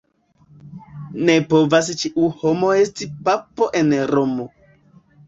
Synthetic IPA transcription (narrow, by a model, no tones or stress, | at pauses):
nepo̞vas̬t͡ʃiʔuhomo̞estipapoʔe̞nɾomo̞